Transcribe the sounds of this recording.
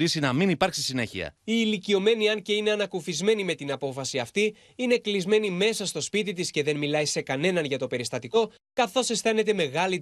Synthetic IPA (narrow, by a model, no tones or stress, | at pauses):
ɾisinɐminipɐɾksisine̞̰çḭɐ̰iːlicio̞me̞niɐnce̞ine̞ɐnɐkufizme̞nime̞t̪inɐpo̞fɐsiɐft̪i | ine̞klizme̞nime̞sɐst̪o̞spit̪it̪isce̞ðe̞nmilɐjse̞kɐne̞nɐnʝɐt̪o̞pe̞ɾist̪ɐt̪iko̞ | kɐθo̞se̞sθe̞ne̞t̪e̞me̞ɣɐli